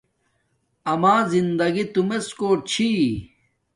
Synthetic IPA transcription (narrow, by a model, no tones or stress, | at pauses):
ɐmaːzind̪ɐɡit̪umeskoːt͡ɕʰi